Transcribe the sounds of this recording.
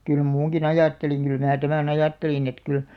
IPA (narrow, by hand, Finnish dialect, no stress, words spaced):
kyl muːŋkin ɑjɑˑtːeliŋ kyl mæː tæmæn ɑjɑˑtːelin et kyl